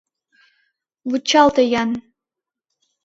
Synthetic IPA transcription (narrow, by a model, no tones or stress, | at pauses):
wɨt͡ʃʰaltʰɐjan